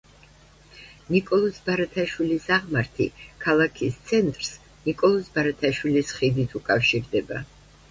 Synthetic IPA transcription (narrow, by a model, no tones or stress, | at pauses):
nikʼɔlˠɔsbaɾat̪ʰaʃwilisaʁmaɾt̪ʰḭkʰalˠakʰist̪sʰɛnt̪ʼɾs | nikʼɔlˠɔsbaɾat̪ʰaʃwilisχid̪it̪ʰukʼafʃiɾd̪ɛba̰